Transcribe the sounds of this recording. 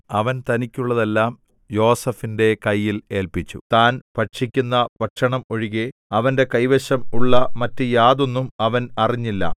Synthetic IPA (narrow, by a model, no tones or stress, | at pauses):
ɐʋɐnt̪ɐnikʲːuɭːɐðelːaːm | jo̞ːsɐfinde̞kɐjːile̞ːlpit͡ɕːṵt̪aːnpɐʈʂikʲːunːɐpɐʈʂɐɳɐmo̞ɻiɣeɐʋɐnde̞kɐjʋɐɕɐmuɭːɐmɐtːɨjaːðo̞nːumɐʋɐnɐriɲːilːɐ̰